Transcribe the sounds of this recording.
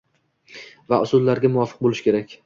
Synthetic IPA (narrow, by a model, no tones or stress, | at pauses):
va̰ʊsʊd̪laɾɡʲamʊɒfɨ̥q̚bolɪʃkʲe̞ɾakʲ